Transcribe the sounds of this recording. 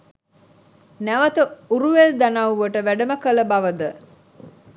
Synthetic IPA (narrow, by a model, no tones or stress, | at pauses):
næʋət̪əuɾuʋeld̪anauʋəʈəʋæɖəməkələbaʋəd̪ə